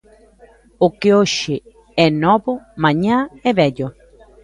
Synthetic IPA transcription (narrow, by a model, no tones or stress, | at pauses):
ʊkɪoʃɪ | ɛnɔβʊmãɲãɛβɛʎo